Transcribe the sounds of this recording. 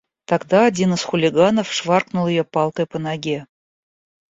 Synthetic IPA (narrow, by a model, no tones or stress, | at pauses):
t̪ɑɡd̪ɑɐdʲinɨz̥xʊlʲiɡanofʂvɑrknulˠjopɑlˠkəjpənɑɡʲe